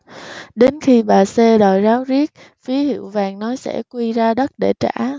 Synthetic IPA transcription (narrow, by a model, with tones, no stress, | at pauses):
ɗe˨˦nxi˧ɓaː˨˩se˧ɗɔ˨˩jzaː˨˦wzi˦˥ət̚ | fi˨˦hḭ˧˨əwvaː˨˩ŋnɔ˨˦jsɛ̰˧˥˩kwi˧zaː˧ɗə˦˥t̚ɗe˧˩t͡ɕa̰ː˧˩